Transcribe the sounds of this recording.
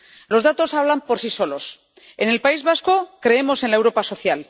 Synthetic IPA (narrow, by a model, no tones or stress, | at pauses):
lo̞zðat̪o̞saβ̞lampo̞ɾsiso̞lo̞s | e̞ne̞lpaizβasko̞kɾe̞emo̞se̞nlaewɾo̞paso̞θjal